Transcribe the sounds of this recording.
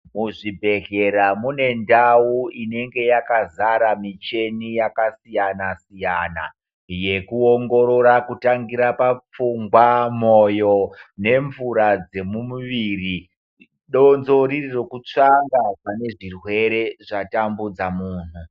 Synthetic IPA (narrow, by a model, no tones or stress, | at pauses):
muʐibʱe̞ɮe̞ɾamune̞ndawuine̞ŋɡe̞jakazaɾamit͡ʃe̞nijakasijanasijana̰ | je̞kuoŋɡo̞ɾo̞ɾakutaŋɡiɾapap͡fuŋɡwamojo̞ne̞ɱvuɾad͡ze̞mumuʋiːri | ɗo̞nzo̞ɾiriro̞kut͡ʂaŋɡapane̞ʐirwe̞ɾe̞ʐatambud͡zamuːnu